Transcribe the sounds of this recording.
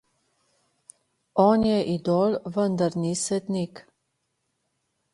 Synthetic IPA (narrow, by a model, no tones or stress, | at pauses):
ɔːnjɛʔid̪ɔːlʋənd̪aɾnisɛt̪nik